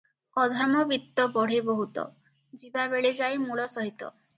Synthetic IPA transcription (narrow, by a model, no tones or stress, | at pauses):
ɔd̪ʱɔɾmɔbit̪ːɔbɔɽ̤ebɔɦut̪ɔ̰ | d͡ʒibabeɭed͡ʒajmuɭɔsɔɦit̪ɔ̰